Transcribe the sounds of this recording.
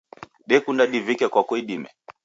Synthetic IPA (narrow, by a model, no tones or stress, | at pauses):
ɗɛkundaɗivikɛkwakwɛiɗimɛ̰